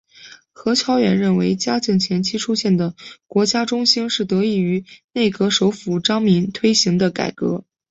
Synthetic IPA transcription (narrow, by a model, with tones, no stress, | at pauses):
xɤ˧˥t͡ɕʰjɑ˥ʊɥɛ˧˥nɻə˥˩nwe˧˥ɪt͡ɕja˥t͡ɕi˥˩ŋt͡ɕʰjɛ˧˥nt͡ɕʰi˥ʈ͡ʂʰu˥ɕjɛ˥˩nd̪ə˩kwɔ˧˥t͡ɕja˥ʈ͡ʂʊ˥ŋɕi˥nʂɻ̩˥˩t̪ɤ˧˥i˥˩y˧˥ne˥˩ɪkɤ˧˥ʂo˧˥ʊfu˨˩ʈ͡ʂɑ˥ŋmi˧˥nt̪ʰwe˥ɪɕi˧˥ŋd̪ə˧ka̰˨˩ɪkɤ̰˧˥